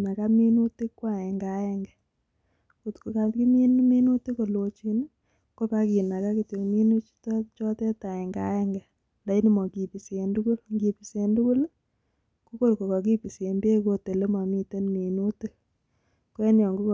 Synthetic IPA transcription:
na˨ka˦mi˦nu˦te˦kːwa˦˨ɛ˨ŋɡa˨ɛ˦ŋɡɛ˨ | ku˨tko˨ka˨ki˦me˦n˦mi˦nu˦te˦ko˨lo˨t͡ʃi˦n | ko˦pa˦ki˨na˨ka˦ki˨to˨kmi˦nu˦t͡ʃi̥˦tt͡ʃɔ˦tɛ˦ta˨ɛ˨ŋɡa̰˦ɛ˦ŋɡɛ˨ | nda˨˦i˦ni˦mɔ˨ki˨pi˨se˨ndu˦ku˦lŋɡi˨pi˨se˨ndu˦ku˦l | ku˦ko˦lko˨kɔ˨k̬i˦pi˨se˨mbe˦ko˧te˨le˦ma˨mi˦te˦nme˨nu˦ti˦ | kwɛ˦njɔ˨ŋɡu˦k

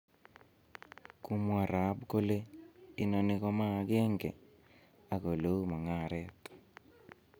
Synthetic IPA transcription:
ku˦mwa˨ɾa˨˦pko˦le˦i˦nɔ˨nɪ˦kɔ˦ma˦˨kɛ˦ŋɡɛ̰˨ | a˨ko˨lo˦u˦ma˨ŋa˦˨ɾɛ˦t̪

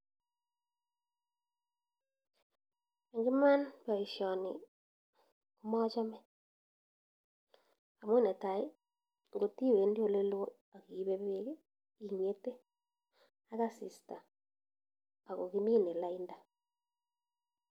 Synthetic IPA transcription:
e˨ŋɡɪ˦ma˦npa˨i˨ʃjɔ˨nɪ̰˨ | ku˦mɔ˦t͡ʃɔ˦mɛ˦ | a˨mwe˦ne˨ta˨i˦ | ŋɡo˨ti˦˨we˨˦ndi˦o˦˨le˦lo˦ | a˨ki˨˦βe˦be˦k | i˨ŋ˨e˦te˦ | a˦ka˦sɪ˨sta˨ | a˨ko˨ki˦mi˦ne˨la˦i˦nda˦

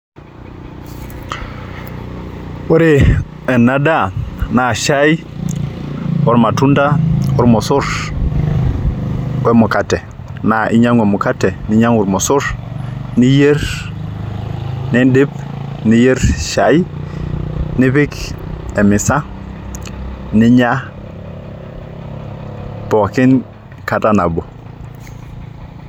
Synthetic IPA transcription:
wo˦ɾe˨ | ɛ˨nːa˦da˦˨na˨ʃa˦j | ɔ˦ɾma˨tu˦nda˦ɔ˦ɾmɔ˨sʊ˦ɾ | wɛ˦mu˨ka˨tɛ˨ | na˨ʔi˦ɲa˦ŋwɛ˨mu˨ka˦tɛ˨ni˦ɲa˦ŋu˨ɾmo˨sʊ˦ɾni˦je˦ɾ | ni˦di˦p | ni˦je˦ɾʃa˨j | nɪ˦βɪ˦kɛ˨mɪ˨sa˦ | nɪ˦ɲa˦ | pɔ˨kɪ˦n | ka˨ta˦na˨bɔ˨

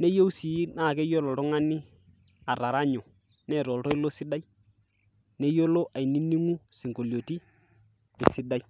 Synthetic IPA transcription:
ne˦jo˦si˨˦na˦˨kɛ˦jo˦lɔ˨tɔ˦ŋa˦nɪ˦ | a˨ɾa˨ɾa˦ɲɔ˨ | nɛ˦˨ɾɔ˨ltɔ˦ɪ˦lo˦sɪ˦da˦j | ne˦jo˦lo˦ʔa˨jni˦ni˦ŋu˦si˨ŋɡo˨ljo˨ti˦ | ɛ̰˨sɪ˦da˦j

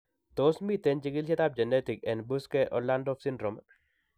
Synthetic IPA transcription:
t̪o˦smi˦t̪e˦nd͡ʒiɡi˦lʃɛ˦t̪a˦p̚d͡ʒɛ˨ne˦ti˨kɛ˨nbu˦skɛʔɔ̰la˦ndɔ˦fsi˦ndɾo˨m

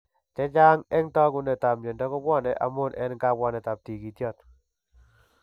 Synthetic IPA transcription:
tɛ˦d͡ʒa˦ŋɛ˦ŋtɔ˦ɡʊ˦nɛ˨ta˨mje˨ndɔ˦kɔ˦bwɔ˦nɛ˨ʔa̰˨mʊ˦˨nɛ̰˦nŋka˦˨bɔ˦nɛ˨ta˨p̚ti˨ɡi˨tjɔ˦˨t

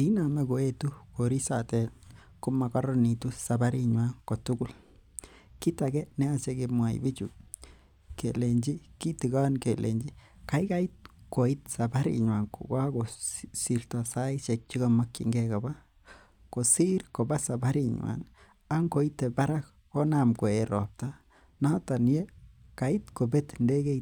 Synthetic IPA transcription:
i˦na˨me˦ɡo˨e˦tu˦ko˨ɾi˦sa˨te˨ | ko˦ma˨ka˦ɾo˦ni˨tu˦sa˨ba˦ɾi˦ɲwa˦ŋko˨tu˦ɡu˦l | ki˦ta˨ɡe˦ne˦a˨se˧ɡe˧mwa˨ḭbi˦t͡ʃṵ˨ | ke˨le˨nd͡ʒi˦ki˦ti˨ɡa˦nke˨lʔe˨nd͡ʒi˦ | ka˨˦jka˦i˦tko˨i˦t̪sa˨ba˦ɾḭ˨ɲwa˨ŋko̰˨ɡa˦ɡo˨si˨ɾta˨sa˦it͡ʃe˨k̚t͡ʃi˦ɡa˧ma˦kːḭ˨ŋɡe˦ka˨ba˦ | ko˨si˦ɾko˨ba˦sa˨ba˦ɾi˨ɲwa̰˨n | a˦ŋko˨i˦t̪ːe˨ba˦ɾa˦k | ko˦na˨mko˨e˨ɾo˨p̚ta˦ | na˦ta˨n˦je˦ | ka˨i˦t̪ko˨be˦t̪nde˦ɡe˦˧

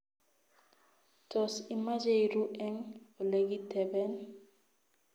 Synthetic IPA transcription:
tʰɔ˨si˨ma˦d͡ʒe˦iɾu˦ʔɛ˦ŋo˨le˦ɡi˦tɛ˨bɛ˦n

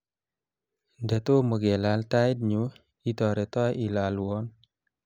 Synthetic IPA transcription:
də˨to˦mə˨ɡɛ˨lalta˦i˦d̚ɲu˦ | i˦tɔ˨ɾɛ˨tɔ˦ji˨la˨luɔ˦n

